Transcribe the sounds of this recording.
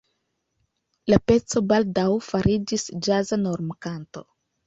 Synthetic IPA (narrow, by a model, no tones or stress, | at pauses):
lape̞t͡so̞baldawfaɾid͡ʒisd͡ʒazano̞ɾmkanto̞̰